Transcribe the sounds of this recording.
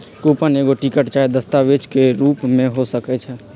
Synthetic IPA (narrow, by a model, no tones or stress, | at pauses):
kuːpəneːɡoʈikəʈt͡ʃaːed̪əst̪aʋeːd͡ʒkeɾuːpmẽɦosəkɛt͡ʃʰɛː